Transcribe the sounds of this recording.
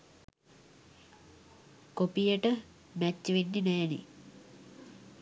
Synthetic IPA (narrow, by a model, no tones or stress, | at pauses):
kopijəʈə | mæt͡ɕːʋenːinɛːnḭ